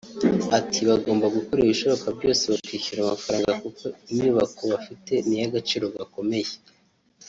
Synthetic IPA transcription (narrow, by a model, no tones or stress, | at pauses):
atʰiβaɡo̞ːmbaɡukoɾejiβiʃo̞βokabɟo̞ːse̞βakwiːçuɾamafaɾaːŋɡakukoimɲuːβako̞βafite̞nijaɡat͡ʃiːɾo̞ɡako̞me̞je